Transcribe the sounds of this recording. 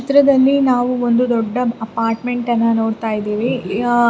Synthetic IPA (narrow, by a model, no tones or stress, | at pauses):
ɐt̪ɾɐd̪ɐlːinaːʋuond̪ud̪ɔɖːɐɐpaːɾʈmeɳʈɐnːɐno̞ːɽt̪aːjid̪eːʋi